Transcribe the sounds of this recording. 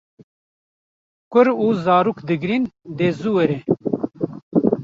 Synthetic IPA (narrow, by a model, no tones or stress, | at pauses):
kʷʊɾuːzaːɾuːkd̪ɨɡɾind̪eːzuwɛɾɛ